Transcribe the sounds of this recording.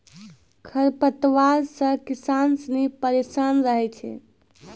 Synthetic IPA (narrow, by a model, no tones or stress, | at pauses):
kʰəɾpət̪ʋaɾsəkisansənipəɾesanɾəɦɛt͡ʃʰɛ̰